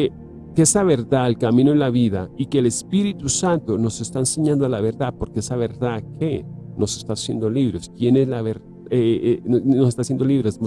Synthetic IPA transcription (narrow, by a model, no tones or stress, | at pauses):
e | keesaβe̞ɾðaelkamĩnoenlaβiðaikeːlespiɾit̪usant̪ono̞se̞st̪aense̞ɲãnd̪oalaβe̞ɾðapo̞ɾkeesaβe̞ɾðakʰeno̞se̞st̪asje̞̰nd̪o̞liβɾest̪jenelaβeɾ | ae | nosest̪asjend̪o̞liβɾesn